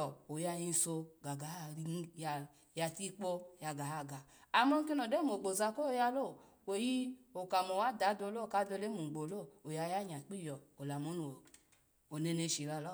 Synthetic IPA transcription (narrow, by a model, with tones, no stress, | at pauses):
ɔ˨o˨ja˧ji˧so˧ɡa˨ɡa˨˦a˦ɾi˧˦ja˧ | ja˧ti˦k͡po˧˦ja˧ɡa˨a˧˨ɡa˨ | a˨mo˦ŋ˦ki˦no˨de˦mo˨ɡ͡bo˨za˧ko˦ja˧lo˦˨ | we˨ji˦o˨ka˨mo˨wa˦da˨˦do˧˦lo˦˨ka˦do˧le˦mu˨ɡ͡bo˨lo˦˨o˨ja˧ja˦ɲ˨a˨k͡pi˦˨jɔ˨o˨la˨mo˦n˨o˨ | o˨ne˧ne˧˨ʃi˨ɾa˧lɔ˦˨